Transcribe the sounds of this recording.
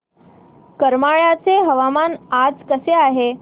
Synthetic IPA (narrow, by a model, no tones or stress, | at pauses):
kəɾmaɭat͡seɦəʋamanad͡zkəseaɦe